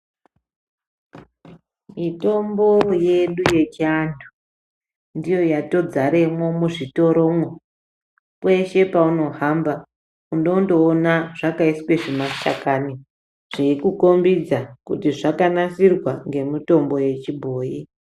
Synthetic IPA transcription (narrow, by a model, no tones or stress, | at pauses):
mito̞mboje̞ɗuje̞t͡ʃiandu̥ | ndijo̞jato̞d͡zaɾe̞mo̞muʐito̞ɾo̞mwo | kwe̞ʃe̞pauno̞ɦamba | undo̞ndo̞ːnaʐ̥akaisi̥kweʐematakani | ʐ̥eikuko̞mbid͡zakutiʐakanasirwaŋɡe̞mito̞mbo̞je̞t͡ʃibʱoːji